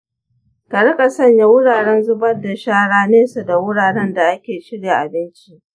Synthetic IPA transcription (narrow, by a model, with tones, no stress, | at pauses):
kɐ˨ɽɐ˦kʼa˨sɐ˦˨ɲja˦wʊ˦ɽaː˨ɽɛ˦nzʊ˦bɐ˦rda˨ʃaː˦ɽaː˦neː˦sa˨da˨wʊ˦ɽaː˨ɽɛ˦nda˨ʔa˦kʲeː˨ʃɪ˦ɽja˨ʔa˨bɪ˦nt͡ʃi˦ʔ